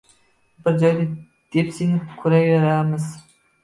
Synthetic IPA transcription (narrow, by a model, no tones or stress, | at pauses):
bɪɾd͡ʒɒjd̪a | d̪̥epsinɪkʰʊɾajveɾamɪz